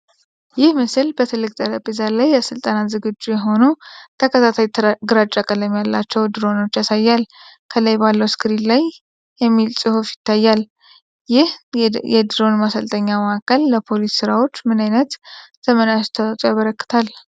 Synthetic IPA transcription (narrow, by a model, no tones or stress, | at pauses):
jɪhmɨsɨlbət̪ʰɨlːɨkʼt̪ʼəɾəbizalajːəsɨlt̪ʼanat̪zɨɡɨd͡ʒːujɛɦo̞nut̪ʰəkʰət̪ʰat̪ʰajt̪ʰɡɨɾat͡ʃʼːakʼələmjalːat͡ʃːɛwd̪ɨɾo̞no̞t͡ʃːjasajːalkʰəlajbalːəwskʰɨɾinlaj | jɛmːilsʼɨhufjɪ̥t̪ːajːal | jɪhjɛd̪ɨɾo̞nmasəlt̪ʰʼəɲːaməakʰːəlːəpʰo̞lisːɨɾawo̞t͡ʃːmɨnajnət̪z̥əmənast̪ʰət̪ʼojaβəɾəkːɨ̥t̪ʰal